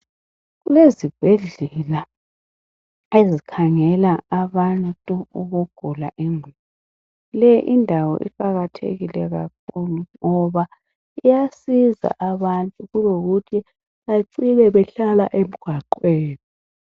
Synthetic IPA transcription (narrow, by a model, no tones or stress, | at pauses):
ɣulezib̥ʱɛɮɛla | ezikʰaŋɛlaaβantʼuuɣuɡ̥ʱulaʔeŋʱuβu | lɛjiʔindʱawɔ̰ʔḭǃaɣatʰḛɣilɛɣak̚ʰuluŋɔβa | ijasiza̰ʔaβantʼuɣuloɣutʰi | aǀilɛβɛɬalaʔem̩ɡ̥ʱwaǃweːni